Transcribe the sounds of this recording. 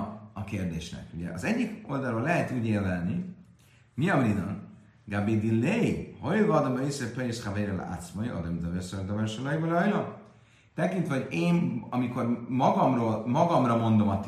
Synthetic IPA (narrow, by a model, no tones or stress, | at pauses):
ɒkeːrd̪eːʃnɛ̰kuɟɛ̰ʔɒzɛɟːiko̞ld̪alːɾoːlɛɦɛt̪uːɟeːrd̪ɛlni | miɒmrid̪ɒ̰n | ɡabid̪ilejhojɡɒd̪omesepɛɾisχavejɾɛl̰a̰t̪smojo̰d̪ɛmd̪ɛvesed̪ɔvɛɾʃolɒibolɒjlo | t̪ɛkint̪vɛɦo̞ɟeːnɒmiko̞rmɒɡɒmroːlmɒɡɒmrɒmo̞nd̪o̞mɒt̪